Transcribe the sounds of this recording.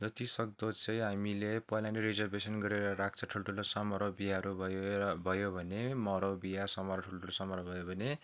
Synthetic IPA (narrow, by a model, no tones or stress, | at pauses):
d͡zʌt̪isʌk̚d̪ot͡sʰʌjɦamilepʌjlãnɖiɾid͡zʌrbesʌnɡʌɾeɾʌɾak̚t͡sʰʌʈʰulʈʰulosʌmʌɾobijaɦʌɾubʱʌjobʱʌjobʱʌnemʌɾobijasʌmʌɾʌʈʰulʈʰulosʌmʌɾʌbʱʌjobʱʌne